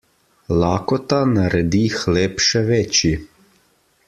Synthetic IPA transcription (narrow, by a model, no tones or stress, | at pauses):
laːkɔt̪anaɾɛd̪ixleːpʃɛʋɛːt͡ʃi